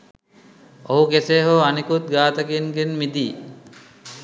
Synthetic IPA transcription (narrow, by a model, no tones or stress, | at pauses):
oɦukeseːɦoanikut̪̚ɡaːt̪əkinɡenmid̪iː